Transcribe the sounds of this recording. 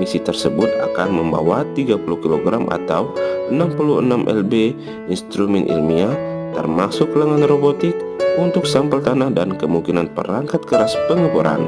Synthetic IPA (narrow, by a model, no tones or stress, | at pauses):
misit̪ərsəbʊt̪̚a̰kanməmba̰wat̪iɡapuluhkiloɡɾamʔa̰t̪awənampuluənamʔɛ̰lbe | inst̪ɾumɛnʔḭlmiat̪ə̰rmasʊkləŋanrobot̪ɪk̚unt̪ʊksampəlt̪anahdankəmuŋkinanpə̰ɾaŋkat̪̚kəɾaspəŋəkuɾʔa̰n